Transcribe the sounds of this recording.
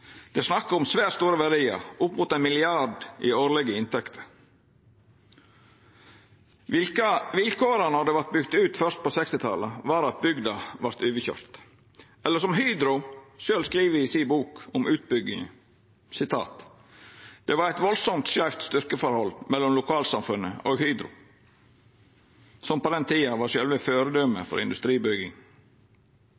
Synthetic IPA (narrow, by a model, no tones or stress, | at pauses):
d̪̥ɛsnɑkːəʊmsʋæːɾst̪uːɾəʋæɾɖiːə̰ɾʊpːmʊt̪ɛnmɪlɪɑɖʔɪ̰oːɾlɛɡəɪnt̪ʰɛkt̪ʰə̥ɾ | ɪlkəʋɪlkʰoːɾənɔd̪ɛʋæɾʈ̪̚bʏɡt̪ʉːt̪fœɾt̪̚pɔsɛkst̪ɪt̪ʰɑ̰ləʋɑːɾɑt̪̚bʏɡd̪ɑʋɑɾt̪ʉːʋəçø̰ːɾt̪ | ɛlːəʂɔmɦyːd̪ɾʊʃøːlskɾiːʋəɪsiːbuːkɔmʉːt̪̚bʏɡːɪŋə | sɪt̪ʰɑ̰ːt̪ | d̪̥ɛʋɑɾæɪt̪ʋɔlsɔmt̪sæft̪st̪ʏɾkəfɔɾhɔlːmɛlːɔmlʊkʰɑːlsɑmfʉnə̰oːɡhyːd̪ɾʊ̰ | sɔmpɔd̪ɛnt̪ʰiːɑʋɑɾʂœlʋəføːɾəd̪œməfɔ̰ɾɪ̰nd̪ʉst̪ɾiːbʏɡɪŋ